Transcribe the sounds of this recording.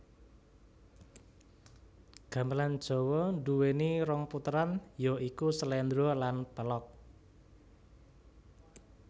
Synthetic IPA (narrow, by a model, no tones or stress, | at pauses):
ɡ̥ä̤mbəland̥ʒ̥ɔ̤wɔnduweniɾɔŋput̪ɾanjɔikusəlɛnd̪ɾɔlanpəlɔk̚